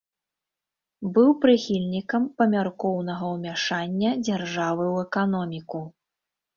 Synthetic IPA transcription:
bɨwpɾɨxʲilʲnʲikɐmpɐmʲarkɔwnɐɣɐwmʲaʂanʲːɐd͡zʲarʐavɨwɛkanɔmʲiku

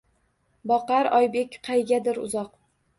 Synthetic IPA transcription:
bɒqɑɾɒjbe̞kʲqʰɑjɡʲad̪ɪɾʊ̰zɒq

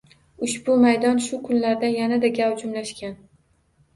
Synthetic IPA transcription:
ʊʃbʊmajd̪ɒnʃʊkʰʊnlaɾd̪anjanad̪aɡʲawd͡ʒʊmlaʃkʲan

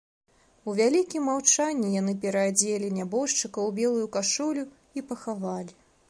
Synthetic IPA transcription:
uvʲalʲikʲimːawt͡ʂanʲːijan̪ɨpʲɛɾɐːd͡zʲelʲinʲabɔʂt͡ʂɨkɐwbʲɛlˠujukaʂɔlʲu | ipɐxavalʲi

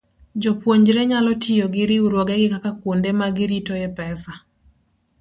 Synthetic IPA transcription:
d͡ʒɔpwoɲd͡ʒɾɛɲalɔtʰɪjoɡɪɾɪuɾwoɡɛɡɪkakakwondemaɡɪɾitojɛpɛsa

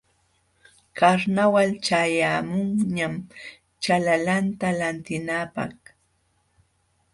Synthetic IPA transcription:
kaɾnawalt͡ʃajamʊŋɲam | t͡ʃalalant̪alant̪ɪnapa̰χ

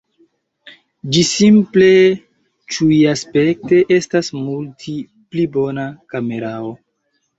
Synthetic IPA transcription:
d͡ʒisimple̞ | t͡ʃujaspe̞k̚te̞ʔe̞stasmultʰi | plibo̞nakame̞ɾao̞

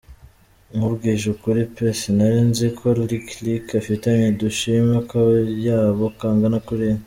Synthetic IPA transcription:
ŋuβɡiːʒukuɾipesenaɾeːnzekʰoliklikafitaɲeduʃimakajaːβokaːŋɡanakuɾen

